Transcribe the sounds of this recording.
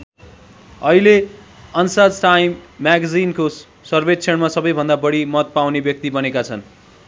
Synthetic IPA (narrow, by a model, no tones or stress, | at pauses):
ʌɦile | ʌnsad͡zʈajmːaɡd͡zinko | sʌrbet̪̚t͡sʰʌɽmasʌbʌjbʱʌnd̪abʌɽimʌt̪̚pawnebjʌk̚t̪ibʌnekat͡sʰʌn